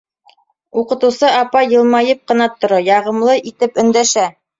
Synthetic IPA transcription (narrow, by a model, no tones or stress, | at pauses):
uqɤ̆t̪ɤ̆wsɤɑpɑjɤ̆lˠmɑjɤp̚qɤ̆nɑt̪ŏɾojɑʁɤ̆mlˠɤʔit̪ɘpɵ̆nd̪æʃæ